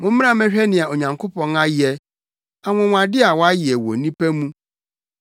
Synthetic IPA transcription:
mʊ̃˦m̩˦m˦ã˦mɛ̃˦ɕᶣɛ˦nɪ̃˨a˨o˨ɲã˨ŋkʰo˦pɔ̃˨na˦jɪ˨ɛ˨ | a˨mʊ̃˨w̃a˨dɪ˦a˨wɔ˦a˦jɪ˨ɛ˨wɔ̰˨nĩ˦pæ˦mũ˦

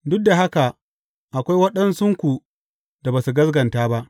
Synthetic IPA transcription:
dʊ˦k̚da˨ɦa˦ka˨ | ʔa˨kʷa˦jwɐ˦ɗɐ˦nsʊ˦ŋkʷu˨ | d̥a˨baː˨su˨ɡɐ˦sɡɐ˨ntaː˦ba˦ʔ

